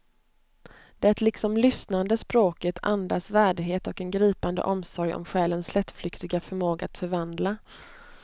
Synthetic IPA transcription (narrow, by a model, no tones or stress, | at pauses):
d̪̥ɛɛæɛt̪lɪksɔmlʏsnand̪əspɾoːkət̪ʰa̰nd̪asvæːɖɪɡɦeːt̪ɔkɛnɡɾiːpand̪ə̰ʔɔmsɔɾjɔ̰mɧɛːlənslɛt̪ːflʏkt̪ɪɡafœɾmoːɡaat̪fœɾvand̪la